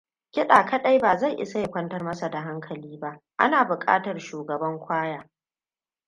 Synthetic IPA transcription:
kʲɪ˦ɗaː˨kɐ˦ɗa˦jbaː˨za˦˨jʔɪ̰˦sa˦ja˨kʷɐ˦ntɐ˦rmɐ˦sa˨da˨ɦa˦ŋkʰɐ˨liː˦ba˦ʔ | ʔa̰˦naː˨bʊ˨kʼa̰ː˦tɐ˨rʃuː˨ɡɐ˨bɐ˦ŋkʷʰaː˦jaː˨

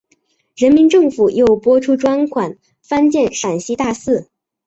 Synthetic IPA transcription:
ɻə˧˥nmi˧˥nʈ͡ʂɤ˥˩ŋfu˨˩jo˥˩ʊpwɔ˥ʈ͡ʂʰu˥ʈ͡ʂwa˥nkʰwa˨˩˦n | fa˥nt͡ɕjɛ˥˩nʂa˨˩nɕi˧˥t̪a˥˧sɹ̩˥˩

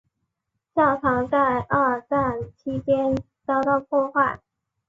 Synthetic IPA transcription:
t͡ɕjɑ˥˩ʊtʰɑ˧˥ŋt͡sa˥˧ɪʔə˞˥˧t͡sa˥˩nt͡ɕʰi˥t͡ɕjɛ˥n | t͡sɑ˥˧ʊt̪ɑ˥˧ʊpʰwɔ˥˧xwa˥˩ɪ

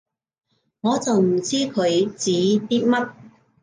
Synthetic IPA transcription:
ŋɔː˨˧t͡sɐ˨wm̩˨˩t͡siː˥kʰɵ˨˧ɥt͡siː˨˥t̪iː˥t̚mɐ˥t̚

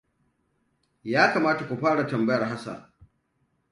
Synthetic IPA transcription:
jaː˦kaː˨maː˦ta˨kʷu˨ɸaː˦ɽa˨tɐ˨mbɐ˦jɐ˨rɦa˦sa̰˨

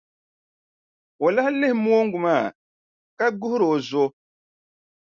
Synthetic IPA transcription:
o˨la˦hlɪ˦hɪ˨˦mo˦o˦ŋ˦ɡʊ˨maː˦˨ | ka˦ɡʊ˦hʊ˦ɾo˨zo˦

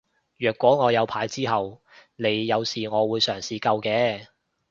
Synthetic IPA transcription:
jœː˨kwɔː˨˥ŋɔː˨˧jɐ˨˧wpʰaː˨˥jt͡siː˥ɦɐ˨w | ne˨˧jːɐ˨˧wsiː˨˩ŋɔː˨˧wuː˨˧jsœː˨˩ŋsiː˨kɐ˧wkɛː˧

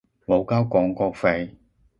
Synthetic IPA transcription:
lo˨˧wkaː˥wkɔː˨˧˥ŋkɔː˧k̚fe˧j

